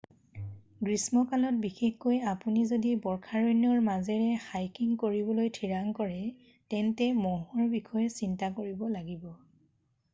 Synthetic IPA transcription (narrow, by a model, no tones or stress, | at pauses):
ɡɹismɔkalɔt̚bixexkojapunizodibɔɹkʰaɹojniɔɹmazɛɹɛxajkiŋkoɹibɔlojtʰiɹaŋkɔɹɛ | tɛntɛmɔɦɔɹbixʰɔjɛsintakoɹibɔlaɡibɔ